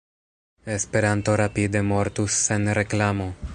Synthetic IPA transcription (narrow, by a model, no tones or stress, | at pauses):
espeɾant̪oɾapid̪emoɾt̪usːenɾeklamo